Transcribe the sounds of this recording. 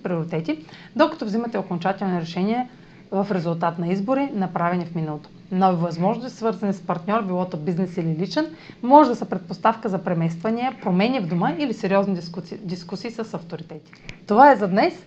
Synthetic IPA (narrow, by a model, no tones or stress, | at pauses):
pɾioɾit̪ɛt̪id̪okɐ̥t̪ovzimɐt̪ɛokont͡ʃat̪ɛlˠniɾɛʃɛniɛ | vɐfɾɛzulˠt̪at̪nɐizboɾinɐpɾavɛnifminɐlˠot̪o | nɔvivɐzmɔʒnost̪isvɤɾzɐnispɐɾt̪nʲɔɾbilˠɔt̪obiznɛsililit͡ʃɛnmɔʒɛd̪ɐsɐpɾɛt̪̚post̪afkəzɐpɾɛmɛst̪vɐniɛpɾomɛnʲivd̪uməilisɛɾiɔznid̪iskusiːsəsɐft̪oɾit̪ɛt̪i̥t̪ovaɛzɐd̪nɛs